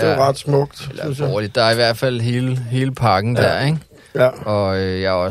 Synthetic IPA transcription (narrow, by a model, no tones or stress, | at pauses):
eʁɑd̥smɔɡ̥d̥elɐnɒːlid̥ːɑ̈æɐiʋæɐ̰d̥fæl̰ɦe̝ːləɦe̝ːləpʰɑ̈ɡ̥n̩d̥æɐ̰eɡ̥ | ɒ̽øjɑ̈ɒ̽